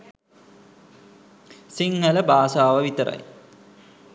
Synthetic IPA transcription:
siŋːɐləbaːsaːʋɐʋit̪ɐɾɐ̰j

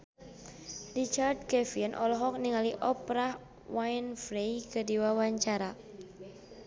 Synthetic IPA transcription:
rit͡ʃard̚kɛfianʔɔ̰lɔɦɔk̚niŋaliʔɔpɾah | wajnfɾejkədiwawaɲt͡ʃaɾa

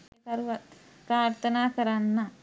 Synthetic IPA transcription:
ɐkɐɾuʋɐt̪ | pɾaːɾt̪ʰɐnaːkɐɾanːɐ

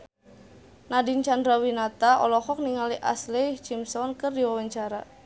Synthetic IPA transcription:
nadint͡ʃandɾawinat̪aʔɔ̰lɔhɔk̚niŋaliʔa̰slit͡ʃimsɔnkərdiwawaɲt͡ʃaɾa

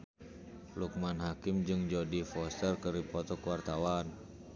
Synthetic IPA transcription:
luk̚manɦakɪmd͡ʒɨŋd͡ʒɔdifɔst̪ərkəɾipɔt̪ɔkəwart̪awan

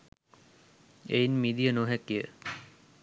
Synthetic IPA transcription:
ejnmid̪ijənoɦækijə

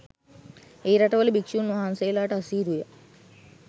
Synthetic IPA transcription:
eːɾɐʈɐʋɐlibikʃuːnuɦaːnsejlaːʈɐsiːɾujɐ

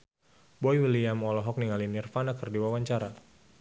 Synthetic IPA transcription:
bɔjwiliamɔlɔɦɔk̚niŋalinirfanakərdiwawaɲt͡ʃaɾa

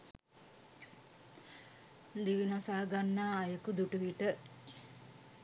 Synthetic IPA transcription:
d̪iʋinasaːɡanːaːjəkud̪uʈuʋiʈə

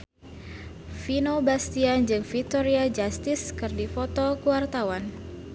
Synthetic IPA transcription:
finobast̪iand͡ʒɨŋfik̚t̪oɾiad͡ʒast̪ɪskɨrdifɔt̪ɔkuwart̪awan

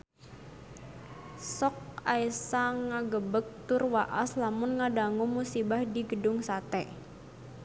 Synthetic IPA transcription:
sɔk̚aisaŋaɡəbək̚t̪ʊrwaʔaslamʊnŋadaŋumusibahdiɡədʊŋsat̪ɛ

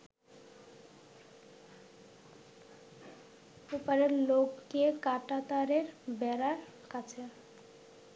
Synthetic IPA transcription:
upaɾeɾlokːekaʈat̪aɾeɾbɛɾaɾ | kat͡ɕʰe

